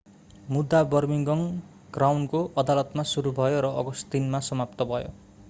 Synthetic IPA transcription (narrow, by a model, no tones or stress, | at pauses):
mud̪ːabʌrmiŋɡʌŋ | ɡ̥rawnkoʔʌd̪alʌt̪masuɾubʱʌjoɾʌʔʌɡʌst̪inmasʌmapt̪ʌbʱʌjo̰